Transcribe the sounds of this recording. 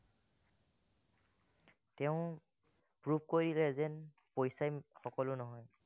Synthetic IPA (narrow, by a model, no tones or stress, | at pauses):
tɛʊ̃ | pɹupkoɹjdilɛzɛn | pojsajxɔkɔlʊnɔɦɔj